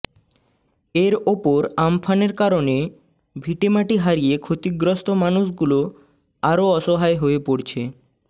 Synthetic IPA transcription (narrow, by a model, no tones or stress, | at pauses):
eɾopoɾamfʰaneɾkaɾone | bʱiʈemaʈiɦaɾiekʰot̪iɡɾost̪omanuʃɡulo | aɾoɔʃoɦaeɦoepoɾt͡ɕʰe